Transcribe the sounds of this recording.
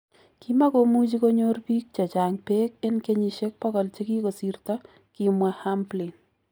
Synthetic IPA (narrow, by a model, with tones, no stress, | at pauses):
ki˦ma˦ko˦mu˦t͡ʃi˦ko˦ɲo˦rpi˦k̚t͡ʃɔ˨t͡ʃa˨ŋpe˦ke˦nke˦ɲi˨ʃe˦k̚pɔ˦kɔ˨lt͡ʃe˦ki˦ko˨si˨rtɔ˦ | ki˨mwa˦ha˦mpli˨n